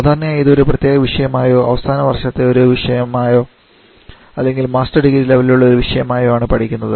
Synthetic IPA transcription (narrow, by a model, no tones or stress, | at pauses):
d̪ʱaːnːɐjaːjiðo̞ɾuprɐt̪jeːɣɐʋiʂɐjɐmaːjo̞ːʔɐ̰ʋɐsaːnɐʋɐrʂɐt̪ːe̞o̞ɾuʋiʂɐjɐmaːjo̞ː | ɐlːe̞ŋɡilmaːstɐrɖiɣiɾileʋɐluɭːɐoɾuʋiʂɐjɐmaːjoaːɳɨpɐʈʰikʲːunːɐðɨ